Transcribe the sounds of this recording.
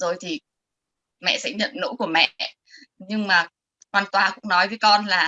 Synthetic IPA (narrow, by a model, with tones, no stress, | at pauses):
zo˨˩jt̪ʰi˨˩ | mɛ̰˧˨sɛ̰˧˥ɲə̰˧˨nːo̰˧˥jku˧˩əmɛ̰˧ʔ | ɲɨ˧ŋmaː˨˩ | kwaː˨˩nt̪waː˨˩kʊ̰˧˥ŋ͡mnɔ˨˦jvəː˨˦jkɔ˧nlaː˨˩